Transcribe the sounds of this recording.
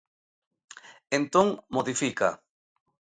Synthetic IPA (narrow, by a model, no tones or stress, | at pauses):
ẽnt̪õŋmoðifika̰